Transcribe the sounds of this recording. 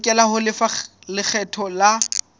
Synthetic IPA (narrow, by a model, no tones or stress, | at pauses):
kʼɛlahʊlɪfalɪk͡xʰɛtʰɔla